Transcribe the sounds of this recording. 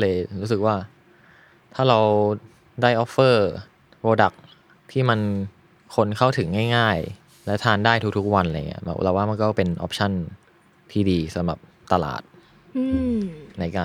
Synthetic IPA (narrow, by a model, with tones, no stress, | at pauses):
lɤː˧jɾuː˦˥s̬ɯ˨˩k̚waː˥˩ | t̪ʰaː˥˩ɾa˧w | daː˥˩jʔɔː˦˥pːɤː˥˩ | ɾoː˧da˨˩k̚ | t̪ʰiː˥˩ma˧n | kʰo˧nkʰa˥˩wt̪ʰɯ˩˦ŋːaː˥˩jŋaː˥˩j | lɛ˦˥t̪ʰaː˧ndaː˥˩jt̪ʰu˦k̚t̪ʰu˦˥k̚wa˧nla˧j̰ŋːi˦˥ɐbɛ̰˨˩p̚ɾa˧˩waː˥˩ma˧nkɔː˥˩pe˧nʔɔ̰ː˦˥p̚t͡ɕʰa˥˩n | t̪ʰiː˥˩diː˧sa˩˦mɾa̰˨˩p̚ | t̪a˧la̰ː˨˩t̪̚ | ʔɯː˧na˧jkaː˧